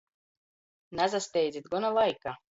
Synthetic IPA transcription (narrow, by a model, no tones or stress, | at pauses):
nazast̪ʲɛjd̪zit̪̚ɡɔnalˠajka